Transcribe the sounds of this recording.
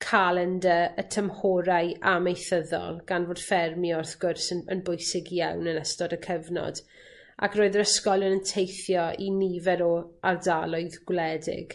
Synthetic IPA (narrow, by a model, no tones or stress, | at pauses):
kʰalˠɛndəətʰəmhoːɾajʔamejθəðɔ̰lˠɡ̥anvoːd̥fɛrmiɔrθɡ̥ʊrsəə̰nbʊɨsɪɡijawnənəstɔdəkʰəvnɔ̰d̥ | a̰kʰroːɨðəɾəskɔlˠənəntʰejθjɔinivɛɾɔardalˠʊɨðɡ̥wlɛdɪ̰ɡ̥